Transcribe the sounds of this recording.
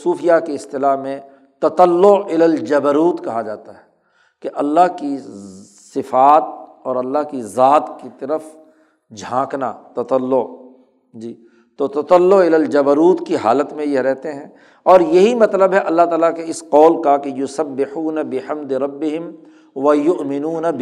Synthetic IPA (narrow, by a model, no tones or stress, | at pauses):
suːfijakeɪst̪ɪlaɦmẽ | t̪ɐt̪əlːʊɪləld͡ʒɐbəɾuːt̪kɐɦad͡ʒaːt̪aɦɛ | keʔɐlːaɦki | sɪfaːt̪̚ɔːɾɐlːaɦkizaːt̪kit̪ɐɾəf | d͡ʒʱãːkna̰t̪ɐt̪əlːʊ | d͡ʒiː | t̪oːt̪ɐt̪əlːʊɪləld͡ʒɐbəɾuːt̪kiɦaːlət̪mẽjeɾɛɦt̪eɦɛ̃ː | ɔːɾjɐɦimɐt̪ləbɦɛʔɐlːaɦt̪aːlakeɪsqɔːlkakejʊsɐbːɪħuːnabɪhɐmd̪ɪɾɐbːɪɦɪm | ʋɐjʊʔmɪnuːnab